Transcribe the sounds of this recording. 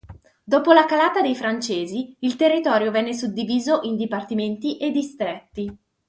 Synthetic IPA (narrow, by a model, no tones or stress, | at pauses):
d̪oːpolakalaːt̪ad̪ejfɾant͡ʃeːziilt̪erːit̪ɔːɾjovɛnːesud̪ːiviːzoʔind̪ipart̪iment̪iʔed̪ːist̪ɾet̪ːi